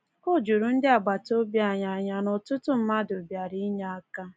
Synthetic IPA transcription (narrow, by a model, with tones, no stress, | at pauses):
o˦d͡ʒu˨ɾu˨n̩˦dɪ˦a˨ɡ͡ba˨to˦bja˨ɲa˨ɲa˨nɔ˨tʊ˦tʊ˦m̩˦ma˦do˨bja˨ɾi˦ɲa˦a˦ka˦